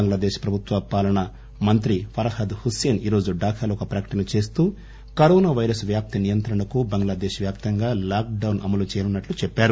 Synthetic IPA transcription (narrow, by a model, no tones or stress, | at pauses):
ɐŋɡlaːd̪eːʃpɾɐbʱut̪ʋɐpaːlɐɳɐ | mɐnt̪ɾifɐɾɐhɐd̪huse̞ːniːɾo̞ːd͡ʒuɖaːkʰaːlɔkɐpɾɐkɐ̥ʈɐnɐt͡ʃe̞ːs̬t̪uː | kɐɾoːnaːʋɐjɾɐsʋjaːp̚t̪inijɐnt̪ɾɐɳɐkubɐŋɡlaːd̪eːʃʋjaːp̚t̪ɐŋɡaːlaːk̚ɖɐwnʔɐ̰mɐlut͡ʃɛːjɐnunːɐʈlut͡ʃɛpːaːɾu